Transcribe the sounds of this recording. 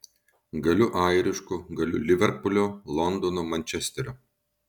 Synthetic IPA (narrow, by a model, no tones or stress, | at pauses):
ɡɐlʲʊʔaːjɾʲɪʃkʊɡɐlʲʊ̰lʲɪʋʲɛɾpʊlʲolˠɔnd̪ɔnomɐnʲt͡ʃʲɛsʲt̪ʲɛɾʲo